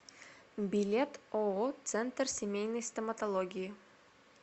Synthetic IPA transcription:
bʲɪlʲet̪oot̪sɛnt̪rsʲemʲejnəjsʲt̪emɐt̪olˠoɡʲiji

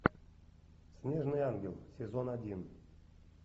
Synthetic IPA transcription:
sʲnʲeʐnɨjanɡʲelˠsʲezonadʲin

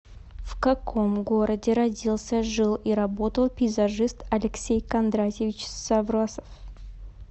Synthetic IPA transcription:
fkɐkʰo̞mɡo̞ɾʔədʲɪɾɐdʲilˠsʲəʐɨlˠiɾɐbo̞t̪əlˠpʲɪzɐʐɨst̪ɐlʲɪksʲejkɐnd̪ɾatʲɪvʲɪt͡ɕsɐvɾosə̥f

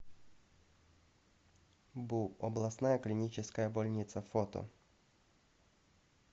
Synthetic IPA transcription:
buɔblˠɐsnajɐklʲɪnʲit͡ɕɪskɐjɐbɔlʲnʲit̪sɐfɔt̪ɔ̰

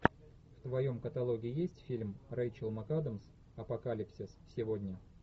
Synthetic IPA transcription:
ft̪vɐjo̞mkət̪ɐlˠo̞ɡʲɪjesʲtʲfʲilʲmrejt͡ɕɪlˠmɐkad̪əms | ɐpɐkalʲɪpsʲɪssʲɪvodʲnʲə

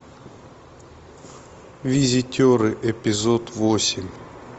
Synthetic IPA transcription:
vʲɪzʲɪtʲoɾɨʔɛpʲɪzot̪vosʲɪmʲ

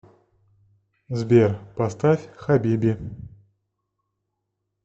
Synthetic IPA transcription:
zbʲerpɐst̪afʲxabʲibʲi

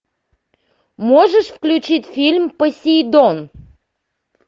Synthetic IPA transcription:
moʐəʂfklʲʉt͡ɕitʲfʲilʲmpəsʲijd̪on

